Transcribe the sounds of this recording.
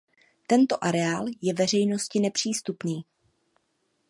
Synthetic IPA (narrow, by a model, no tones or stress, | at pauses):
t̪ɛnt̪o̞ʔaɾɛaːljɛvɛr̝ɛjno̞scɪnɛpr̝̥iːst̪upniː